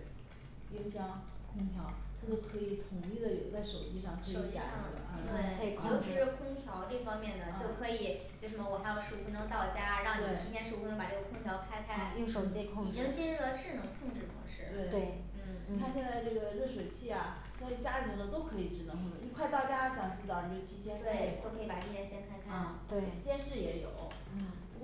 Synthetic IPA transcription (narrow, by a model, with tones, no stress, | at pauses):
jo˥ʊɕjɑ˥ŋkʰʊ˥ŋt̪ʰjɑ˧˥ʊt̪ʰa˥t͡ɕjo˥˩ʊkʰɤ˧˥i˨˧˩t̪ʰʊ˨˩ŋi˥˩d̪ə˩jo˨˧˩t͡sa˥˩ɪʂo˨˩ʊt͡ɕi˥˧ʂɑ˥˩ŋkʰo˧˥˩t͡ɕa̰˥˩ɑ̰˥˩d̪ə̰˨˩˧t̪we˥˩ɪ˥˩kʰjo˥ʊt͡ɕʰi˧˥ʂɻ̩˧˥kʰwə˥ŋt̪ʰjɑ˧˥ʊʈ͡ʂɤ˥˩fɑ˥ŋmjɛ˥˩nd̪ə˩jo˥˩ʊkʰɤ˧˥i˨˩˦ | t͡ɕjo˥˧ʊʂ̩˧˩mə˩wɔ˨˩xa˧˥ɪjo˧ʊʂɻ̩˥˩u˧˥nɤ˧˥ŋt̪ɑ˥˩ʊt͡ɕja˥ɻɑ˥˧ŋwe˧˩˨ɪʂ̩˧˥t̪ʰɛ˥nʂ̩˧˩˧nɤ˧˥pa˨˩ʈ͡ʂɤ˥˩ɡə˩kʰʊ˥ŋt̪ʰjɑ˧˥ʊkʰa˥ɪkʰa˥ɪ˨˩˥ʂo˧˩˥t͡ɕɛ˥˩kʰni˨˩ʈ͡ʂ̩ə˥ŋt͡ɕɛ˥ɻ̩˥˩lə˩ʈ͡ʂɻ̩˥˩nɤ˧˥ŋkʰʊ˥˧ŋʈ͡ʂɻ̩˥˩kʰʊ̰˧˥ŋʂɻ̩˥˩t̪we˥˩ɪt̪we˥˩ɪ | n̩˥˩ni˩t̪ʰa˥ɕjɛ˥˧nt͡sa˥˧ɪʈ͡ʂɤ˥˩ɡə˩ɻɤ˥˩ʂ̬we˨˩ɪt͡ɕʰi˥˩ɐ˩ | i˥we˥˧ɪt͡ɕja˥t̪ʰi˧˥ŋlə˧t̪o˥ʊkʰɤ˧˥i˨˩ʈ͡ʂɻ̩˧˥nɤ˧˥ŋkʰə˥˩˧i˥˧kʰwa˥˧ɪt̪a˥˩ʊt͡ɕja˥˩ɕjɑ˧˩ŋʈ͡ʂɻ̩˥˩t̪ɑ˥˩i˧˥˩t͡ɕʰi˥ɕʰjɛ˥n˥e˥˧˥t̪o˥kʰɤ˧˥i˧pa˨˩ʈ͡ʂɤ˥˩t̪ʰjɛ˥ɕjɛ˥ntʰa˥ɪkʰa˥˧˥t̪we˥˩ɪt̪jɛ˥nʂɻ̩˥˩jɛ˧˥jo̰˨˩˦ʊ˥˩˧